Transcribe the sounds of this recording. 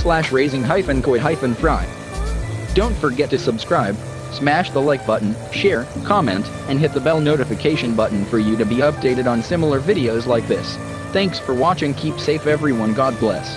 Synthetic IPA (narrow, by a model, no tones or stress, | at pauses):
slæʃɹeɪzɪ̃ŋɦaɪfɨ̃nkʰoɦaɪfɨ̃nfɹaɪd̥ | d̥õʊ̃ntfə˞ɡɛtʰɨsəbskɹaɪb | smæʃðəlaɪk̚b̥ʌʔn̩ | ʃɛɹkʰɑmɛ̃nt | ɨ̃nɦɪt̪̚ðəbɛlˠnoʊɾɨfɨkʰeɪʃɨ̃nbʌʔn̩fə˞jɨɾɨbiʌp̚d̥eɪɾɨɾn̩sɪ̃ml̩ˠə˞vɪɾioʊzlaɪk̚ðɪs | θæ̃ŋksfə˞wɑt͡ʃɪ̃ŋkʰipseɪfɛvɹiwʌ̃nɡɑd̚blɛ̰s